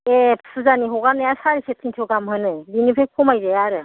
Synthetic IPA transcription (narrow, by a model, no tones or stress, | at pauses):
epʰsʰɯzaniɦɔɡanejasaɾisʰetʰiŋtʰɯɡamɦɯnɯbinipʰekʰɔmajzejaɾɯ